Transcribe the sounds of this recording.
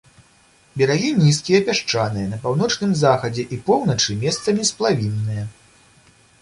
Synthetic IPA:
bʲɛɾaɣʲinʲiskʲijɐpʲaʂt͡ʂanɨjɐnɐpawn̪ɔt͡ʂnɨmzaxɐd͡zʲɛʔipɔwnɐt͡ʂɨmʲɛst̪sɐmʲisplˠavʲinːɨjɐ

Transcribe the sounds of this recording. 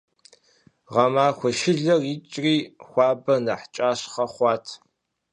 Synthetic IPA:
ʁɐmaːxʷɔʃɪɮɐrit͡ʃʼriːxʷɑːbɐnɐħt͡ʃʼaːɕχɐχʷɑːtʰ

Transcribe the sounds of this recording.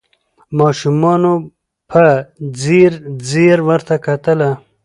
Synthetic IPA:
mɑːʃumɑno | pʰad͡ziɾd͡ziɾwəɾt̪akat̪əla

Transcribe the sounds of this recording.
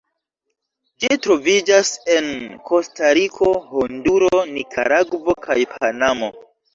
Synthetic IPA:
d͡ʒitɾo̞vid͡ʒase̞nkʰo̞staɾikʰo̞honduɾonikʰa̰ɾaɡvo̞kʰajpʰanamo̞

